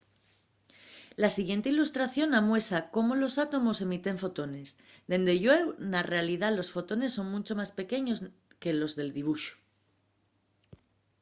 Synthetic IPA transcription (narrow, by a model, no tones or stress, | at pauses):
lasiɣje̞nt̪e̞ilust̪ɾaθjo̞namwe̞sako̞molo̞sat̪o̞mo̞se̞mit̪e̞ɱfo̞t̪o̞ne̞s | ðe̞nd̪eʝwewnare̞aliðalo̞sfo̞t̪o̞ne̞sːo̞ŋmut͡ʃo̞maspe̞ke̞ɲo̞s | ke̞lo̞zðe̞ld̪iβ̞uʃo̥